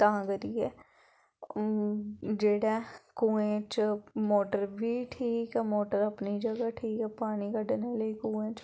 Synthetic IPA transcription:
t̪ãːɡəɾiːɛː | d͡ʒeːɽɛːkuːẽːt͡ʃmoːʈəɾʋiːʈʰiːkɛːmoːʈəɾəpniːd͡ʒəɡaːʈʰiːkɛːpaːɽ̃iːkəɖneːləiːkũːẽːt͡ʃ

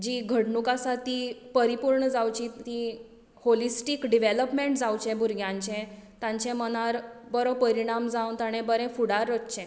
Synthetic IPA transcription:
d͡ʑiːɡʱəɽɳukasat̪ipəɾipuɾɳəd͡zawt͡ɕit̪i | holisʈikɖiʋeləpmeɳʈd͡zawt͡ɕɛ̃bʱuɾɡʱjãɲt͡ɕɛ̃t̪ãɲt͡ɕɛ̃mənaɾbəɾopəɾiɽ̃amd͡zaunt̪aɽ̃ɛ̃bəɾɛ̃fuɽaɾːətt͡ɕɛ̃

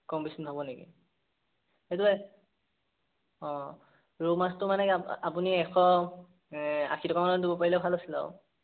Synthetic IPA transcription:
kɔmbisɔnɦʰɔbɔnekḭ | etuɛ | ɔ̃ | ɹomastʊmanɛapuniɛxɔ | a̰xʰitʰɔkamanɔdibɔpaɹilɛʊbʰʱalosila̰ʊ

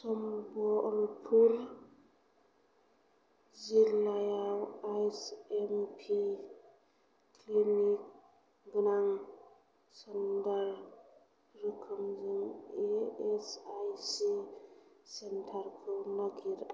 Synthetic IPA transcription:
sɔmbɔlpʰuɾ | zilajawajsempʰi | klinik̚ | ɡɯnaŋ | səndaɾ | ɾɯkʰɯmzɯŋeesajsi | sentʰaɾkʰɯnaɡiɾ

